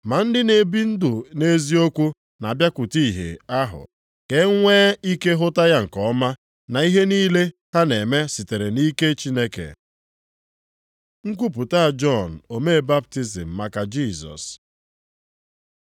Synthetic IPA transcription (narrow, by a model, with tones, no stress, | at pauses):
ma˨n̩˦dɪ˦ne˨bi˦n̩˦dʊ˨ne˦zi˦o˦kʷu˦ | na˨bja˦kʷʊ˨ti˦˨ɦḛ˨a˦ɦʊ̰˨ | ke˦ŋʷeː˦i˦ke˦ɦʊ˦ta˦ja˦ŋ̩˨kɔ˦ma˦ | na˨i˦ɦe˦niː˦le˦ha˦ne˨me˦si˨te˨ɾe˨ni˦ke˦t͡ʃi˦ne˦kḛ˨ | ŋ̩˦k̬ʷu˦p̬u˨ta˦a˨d͡ʒɔ˦˨n̩˨o˨me˦˨ba˦p̚ti˦zḭ˨m̩˨ma˨ka˨d͡ʒi˦˨zɔ̰˨s